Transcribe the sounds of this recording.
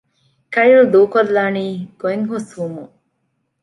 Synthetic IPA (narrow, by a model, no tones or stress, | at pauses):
kɐjld̪uːkolːaːniːɡ̥oeŋɦosʋumu